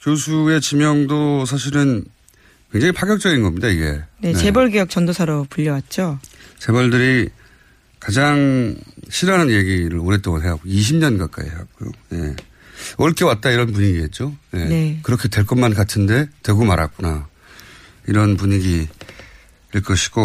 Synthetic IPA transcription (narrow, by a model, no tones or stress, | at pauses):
kjosʰue̞t͡ɕimjʌŋdosʰaɕ̬ʰiɾɯn | kwe̞ŋd͡ʑaŋipʰaɡjʌk̚t͡ɕ͈ʌɡinɡʌmɲidaiɡe̞̰ne̞nee̞bʌɭɡejʌk̚t͡ɕ͈ʌndosʰaɾopuʎːʌwat̚t͡ɕ͈ot͡ɕe̞bʌɭdɯɾi | kad͡ʑaŋɕʰiɾananjeɡiɾɯɭoɾet͈oŋɯnɦe̞ɦakɡoiɕ̬ʰimɲʌnɡak͈a̰ḭɦeak̚k͈ojo̰je̞̰ | ʌɭk͈e̞wat̚t͈aiɾʌnp̬uɲiɡiɦe̞t̚t͡ɕ͈oje̞nekɯɾʌkʰetwe̞ɭk͈ʌmankatʰɯnde̞te̞ɡomaɾa̰k͈una | iɾʌnpuɲiɡi | iɭk͈ʰʌɕʰi̥ɡo